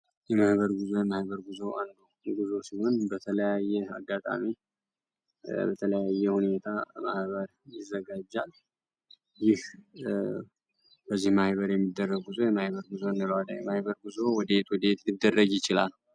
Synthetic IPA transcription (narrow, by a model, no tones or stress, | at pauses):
jɛmahβəɾɡuzo̞jɛmahbəɾɡuzoʔand̪u | ɡuzo̞siho̞nbət̪ʰələjajːɛaɡːat̪ʼa̰mi | bət̪ʰələjajːɛhune̞t̪ʰama̰hβəɾ | jɪzːəɡad͡ʒːal | jɪh | bəzːihmahβəɾjɛmːid̪ːərːəɡuzo̞jɛmahβəɾɡuzonːəlwad̪ajɛmahbəɾɡuzo̞wɔd̪əet̪wɔd̪əjet̪lid̪ːərːəɡjɪt͡ʃɪlal